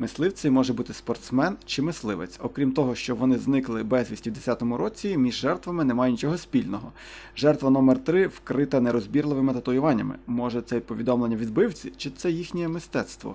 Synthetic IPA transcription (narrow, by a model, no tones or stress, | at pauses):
mɪslˠɪwt͡sʲɐmɔʒɛbut̪ɪspɔrt̪smɛnt͡ʃɪmɪslˠɪʋḛt͡sʲɔkɾʲimt̪ɔɦɔʃt͡ʃɔʋɔnɪznɪklˠɪbɛzʲʋʲisʲtʲiwd̪esʲat̪ɔmʊɾɔt͡sʲimʲiʒːɛrt̪ʋɐmɪnɛmɑjɛnʲit͡ʃɔɦɔsʲpʲilʲnɔɦɔ | ʒɛrt̪ʋɐnɔmɛrt̪ɾɪwkɾɪt̪ɐneɾɔzʲbʲirlˠɪʋɪmɪt̪ɐt̪ɔjʊʋɑnʲːɐ̰mɪ̰mɔʒɛt̪sɛid̪̚pɔʋʲid̪ɔmlˠenʲːɐʋʲid̪̚bɪwt͡sʲit͡ʃɪt̪sɛjixnʲɛjɛmɪst̪ɛt̪st̪ʋɔ̰